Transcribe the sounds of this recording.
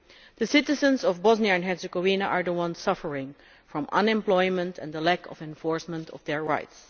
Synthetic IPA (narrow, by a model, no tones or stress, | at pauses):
ðəsɪtɨzə̃nzɔvbɔzniəɨ̃nɦɛɹsəɡɔvinəʔəɹðəwʌ̃nssʌfə˞ɪ̃ŋ | fɹɔ̃mʔʌ̰̃nɛ̃mplɔɪmə̃ntʰɛ̰̃nðəlækʰɔ̰vɛ̃ɱfɔɹsmə̃ntʰɔ̰vðɛɹɹaɪts